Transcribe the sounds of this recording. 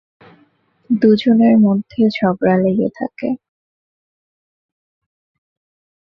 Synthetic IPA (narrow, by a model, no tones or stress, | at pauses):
d̪ud͡ʑoneɾmod̪ʱːeʃɔbɾaleɡet̪ʰa̰ke